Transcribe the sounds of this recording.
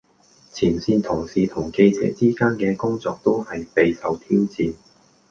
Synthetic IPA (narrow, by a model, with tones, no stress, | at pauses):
t͡sʰiː˨˩nsiː˧nt̪ʰʊ˨˩ŋsiː˨t̪ʰʊ˨˩ŋke˧jt͡sɛ̰ː˨˥t͡siː˥kaː˥nkɛː˧kʊ˥ŋt͡sɔː˧k̚t̪o˥whɐ˨jpe˧jsɐ˨wt̪ʰiː˥wt͡siː˨˧n